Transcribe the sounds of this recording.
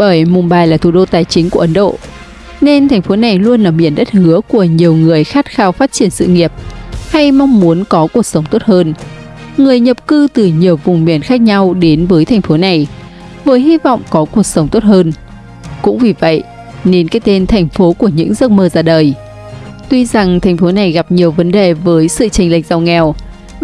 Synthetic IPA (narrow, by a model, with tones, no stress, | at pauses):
ɓəː˧˩jmʊ˨˩ɓaː˨˩jlaː˨˩t̪ʰu˧˩ɗo˧t̪aː˨˩jt͡ɕï˨˦ŋ̟ku˧˩əʔə˨˦nɗo̰˧˨ | ne˧nt̪ʰɛ˨˩ŋ̟fo˨˦na˨˩jlu˧ənlaː˨˩mḭ˧˩ənɗə˦˥t̚hɨ˨˦əku˧˩əɲi˨˩əwŋɨ˨˩əjxaː˦˥t̚xaː˧wfaː˦˥t̚t͡ɕi˧˩ənsɨ̰˧˨ŋi˨˩əp̚ha˧jma˧wŋ͡mːu˨˦ənkɔ˨˦ku˧˨˩ək̚sə˨˦wŋ͡mt̪o˦˥t̚həː˧n | ŋɨ˨˩əjɲə˨˩p̚kɨ˧t̪ɨ˨˩ɲi˨˩əwvʊ˨˩ŋ͡mmḭ˧˩ənxaː˦˥k̚ɲa˧wɗe˨˦nvəː˨˦jt̪ʰɛ˨˩jŋ̟fo˨˦na˨˩j | vəː˨˦jɦi˧vɔ̰˧˨wŋ͡mkɔ˨˦ku˨˩ək̚sə˨˦wŋ͡mt̪o˦˥t̚həː˧n | kʊ̰˧˥ŋ͡mvi˨˩və̰˧˨j | ne˨˦nkaː˨˦jt̪e˧nt̪ʰa˨˩jŋ̟fo˨˦ku˧˩əɲɨ̰˧˥ŋzə˦˥k̚məː˧zaː˧ɗəː˨˩j | t̪wi˧za˨˩ŋt̪ʰŋ̟fo˨˦na˨˩jɣa˨˩p̚ɲi˨˩əwvə˨˦nɗe˨˩vəː˨˦jsɨ̰˧˨t͡ɕa˨˧˩ŋ̟la̰˧˨jk̚z̥a˨˧˩wŋɛ˨˩w